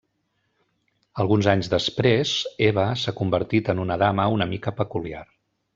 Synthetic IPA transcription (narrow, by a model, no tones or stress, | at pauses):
əlˠɣunzaɲzðəspɾezeβəsakumbəɾt̪it̪ənunəðaməunəmikəpəkulia̰r